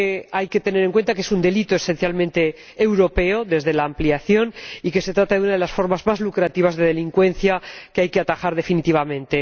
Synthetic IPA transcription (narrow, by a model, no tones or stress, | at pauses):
eajke̞t̪e̞ne̞ɾe̞ŋkwe̞nt̪akeesund̪e̞lit̪oe̞se̞nθjalmẽnt̪e̞ː | wɾo̞pe̞oðe̞zðe̞laːmpliaθjo̞nike̞set̪ɾat̪aðeunaðe̞lasfo̞ɾmazmazlukɾat̪iβ̞azðe̞ðe̞liŋkwẽ̞n̟θjakeajke̞at̪axaɾð̞e̞finit̪iβ̞amẽ̞nt̪e